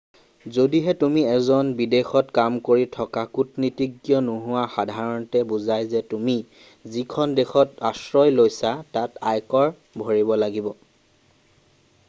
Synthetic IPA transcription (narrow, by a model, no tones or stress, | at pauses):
zodiɦɛtumiɛzɔnbidexɔtkamkoɹitʰɔkakutnitiɡjɔnuɦʊwaxadʱaɹɔntɛbuzajzɛtumi | zikʰɔndexɔtasɹɔjlojsatatajkɔɹ | bʱɔɹibɔlaɡibɔ